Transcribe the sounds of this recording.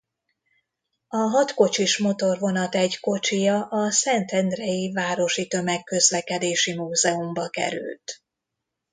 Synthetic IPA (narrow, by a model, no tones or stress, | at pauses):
ɒɦɒt̪ko̞t͡ʃiʃmo̞t̪o̞rvo̞nɒt̪ɛɟko̞t͡ʃijɒʔɒsɛnt̪ɛnd̪rɛjivaːɾo̞ʃit̪ømɛkːø̞zlɛkɛd̪eːʃimuːzɛumbɒkɛ̰ɾy̰lt̪